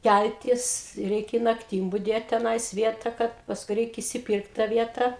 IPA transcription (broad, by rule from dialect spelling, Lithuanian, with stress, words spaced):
ˈkʲælʲtʲɪs ˈrʲɛɪkʲɛ ɪ nɐkˈtʲiːm bʊˈdʲeːt tʲɛˈnɐɪs ˈʋʲiɛtɐ ˈkɐt pɐsˈkʊɪ ˈrʲɛɪk ɪʃʲsʲɪˈpʲiːrkt tɑː ˈʋʲiɛtɐ